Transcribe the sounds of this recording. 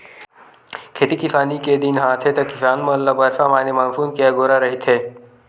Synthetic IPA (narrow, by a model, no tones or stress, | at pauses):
kʰeːt̪ikɪsaːniked̪inɦãːt̪ʰet̪ɐkɪsaːnmɐlːabɐɾfamaːnemaːfuːnkijaɡoːɾaɾɐɦit̪ʰeː